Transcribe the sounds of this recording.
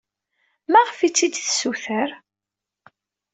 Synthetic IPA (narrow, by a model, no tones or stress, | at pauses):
mæʁfit͡sːid̪θsuθəɾ